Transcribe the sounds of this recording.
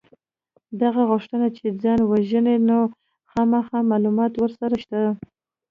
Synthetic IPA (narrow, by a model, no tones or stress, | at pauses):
d̪aɣaɣʊʂʈ̪ənat͡ʃed͡zɑnwaʒəneno | xɑmaxɑmɑlumɑt̪wəɾsaɾaʃt̪a